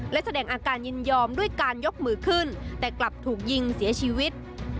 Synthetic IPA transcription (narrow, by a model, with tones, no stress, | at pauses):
lɛ˦˥ʔsa˧dɛː˧˩ŋʔaː˧kaː˧nɲi˧njɔː˧mɗu˥˩əjkaː˧njo˦˥p̚mɯː˨˦kʰɯː˧˥˩nt̪ɛː˨˩kla˨˩p̚t̪ʰuː˨˩k̚ji˧ŋsi˨˩˦ət͡ɕʰiː˧wi˦˥t̪̚